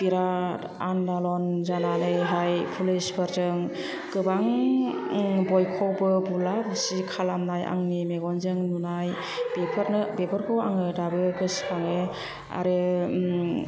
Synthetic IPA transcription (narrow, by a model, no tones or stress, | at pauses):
piɾa | andalɔnzananɯjɦajpʰulisbʰɯɾzɯŋ | kɯbaŋ | bɔjkʰɔwbɯbulabɯsikʰalamnaja̰ŋnimeɡɔnzɯŋnunaj | b̥epʰaɾnɯbepʰɯɾkʰɔwa̰ŋɯdabɯɡɯskʰaŋɯ | a̰ɾɯ